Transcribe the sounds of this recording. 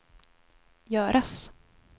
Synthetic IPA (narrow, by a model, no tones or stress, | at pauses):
jœːɾʔas